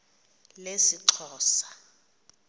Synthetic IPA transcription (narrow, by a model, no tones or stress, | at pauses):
lesiǀʰɔːsḁ